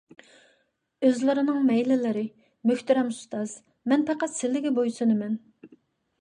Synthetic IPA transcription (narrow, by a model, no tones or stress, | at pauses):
øzlɪɾɪnɨŋmɛjlɪlɪɾɪ | møçʲt̪ɪɾɛmust̪ɑz̥ | mɛnpɛqæt̪sɪlːɪɡʲɛbojsɨnɨmɛn